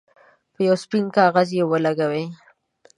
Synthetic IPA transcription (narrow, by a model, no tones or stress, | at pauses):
pəjawspɪnkɑɣazjewəlaɡawe